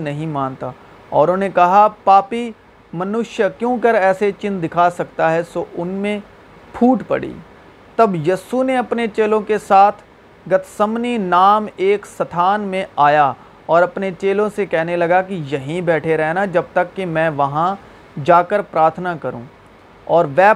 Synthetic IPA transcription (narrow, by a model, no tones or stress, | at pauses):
nɐɦĩmaːnt̪aː | ɔːɾonekɐɦapaːpi | mɐnʊʃjəkjõːkɐɾɛːset͡ʃɪ̃nd̪ɪkʰasɐk̚t̪aɦɛsoːʔʊnmẽ | pʰuːʈpɐ̰ɽḭː | t̪ɐbjiːsuneɐpnet͡ʃeːlõkesaːt̪ʰ | ɡɐt̪ʰsɐmninaːmeːksɐt̪ʰaːnmẽaːja | ɔːɾɐpnet͡ʃeːlõsekɛɦnelɐɡakijɐɦĩbɛːʈʰeɾɛɦnad͡ʒɐb̚t̪ɐkːimɛ̃ːʋɐɦã | d͡ʒaːkəɾpɾaːɾt̪ʰnakɐɾṵ̃ː | ɔːɾʋɛː